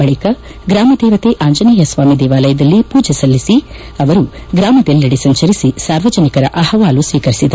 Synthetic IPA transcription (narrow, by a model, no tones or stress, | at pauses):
bɐɭikɐ | ɡɾaːmɐd̪ɛːʋɐt̪eʔaːɲd͡ʒɐnɐːjɐsʋaːmid̪ɛːʋaːlɐjɐd̪ɐlːipuːd͡ʒɐsɐlːisi | ɐʋɐɾu | ɡɾaːmɐd̪elːɐɽisɐɲt͡ʃɐɾisisaːɾʋɐd͡ʒɐnikɐɾɐʔɐhɐʋaːlusʋiːkɐɾisid̪ɐɾu